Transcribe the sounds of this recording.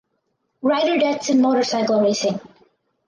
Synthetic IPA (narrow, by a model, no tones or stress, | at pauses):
ɹaɪɾə˞dɛtsɨ̃nmoɾə˞saɪkl̩ˠɹeɪsɪ̃ŋ